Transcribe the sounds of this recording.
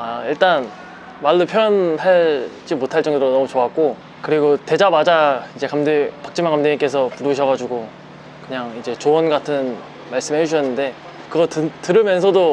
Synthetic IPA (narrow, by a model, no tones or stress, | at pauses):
aiɭt͈an | maɭːopʰjʌjʌnɦaɭd͡ʑimotʰaɭt͡ɕ͈ʌŋdoɾonʌmut͡ɕoak̚k͈o | kɯɾiɡote̞d͡ʑamad͡ʑaid͡ʑe̞kamdepḁk̚t͡ɕ͈ɯmaŋkamdeik͈e̞sʰʌpuɾɯɕʰʌɣad͡ʑuɡo | kɯɲaŋid͡ʑe̞t͡ɕoʌnɡatʰɯn | maɭs͈ɯmɦhed͡ʑuɕʰʌnːɯnde̞ | kɯɡʌtɯtɯɾɯmjʌnsʰʌdo